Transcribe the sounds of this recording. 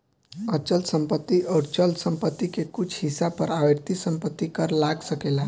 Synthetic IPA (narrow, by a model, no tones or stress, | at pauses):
ət͡ʃəlsəmpət̪ːiʔəɾt͡ʃəlsəmpət̪ːikekʊt͡ʃʰhisabpəɾaʋeɾt̪isəmpət̪ːikəɾlaɡsəkela